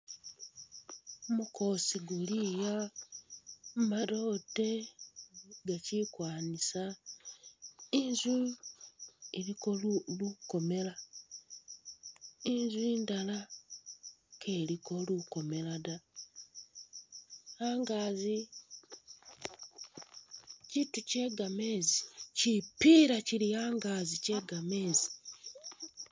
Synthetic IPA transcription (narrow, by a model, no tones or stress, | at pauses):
muko̞siɡulija | maɾote | ɡat͡ʃikwaːnisa | inzu | iɾikoluko̞me̞la | inzwiːndala | kʰeliko̞luko̞me̞lada | aːŋɡaːzi | cituce̞ːɡame̞ːzicipiɾaciɾijaːŋɡaːzice̞ːɡame̞zi